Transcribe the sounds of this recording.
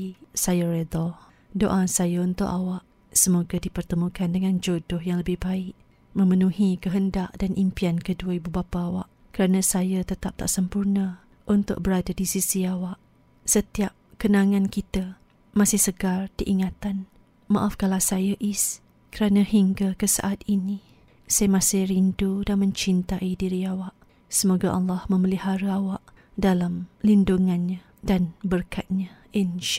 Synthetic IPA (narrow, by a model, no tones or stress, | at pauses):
sajəred̪ɔ | doʔasajaunt̪ʊ̰ʔawaʔ | səmoɡadipərt̪əmũkandəŋand͡ʒodʊhjaŋləbɪhbaɪʔ | mə̃mənũhikəɦəndaʔdanʔimpiankəduaibubapaːwaʔ | kəɾanə̃sajət̪ət̪ap̚t̪a̰ʔsəmpurnə | ʔunt̪ʊ̰ʔ̚bəɾadadisisiawaʔ | sət̪iap̚kənãŋãnkit̪ə | masɪhsəɡardiʔiŋat̪an | mãʔafkalasajaʔis | kəɾanãhiŋɡakəsa̰ʔat̪̚ini | sajamasɪhɾindudanmə̃ɲt͡ʃint̪aidiɾiawaʔ | səmoɡaʔɑlːɑhmə̃məlihaɾaawaʔ | dalamlinduŋanɲa | danbərkat̪̚ɲa | inʃ